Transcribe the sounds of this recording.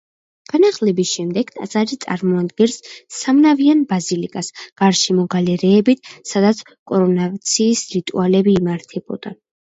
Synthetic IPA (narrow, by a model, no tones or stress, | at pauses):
ɡ̥anaχlɛbisʃɛmd̪ɛɡ̥t̪ʼazʼaɾit̪sʼa̰ɾmɔad̪ɡɛɾsːamnavianbazilikʼasɡ̥aɾʃimɔɡalɛɾɛːbit̪ʰsad̪at̪sʰ | kʼɔɾɔnat̪sʰiːsɾit̪ʼṵalɛbiːmaɾt̪ʰɛbɔ̰d̪̥a